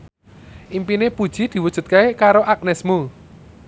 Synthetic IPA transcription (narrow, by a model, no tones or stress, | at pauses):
ʔimpinepud̥ʒ̥i̤d̪̥i̤wud̥ʒ̥ṳt̪̚kaekaɾoʔak̚nɛsmu